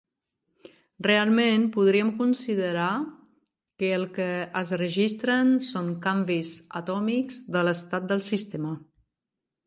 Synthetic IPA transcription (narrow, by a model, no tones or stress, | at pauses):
realˠmenpuð̞ɾiəmkunsiðəɾa | kəːlˠkəəzrəʒist̪ɾənsoŋkambizət̪ɔmikzðələst̪at̪̚d̪əlˠsist̪emə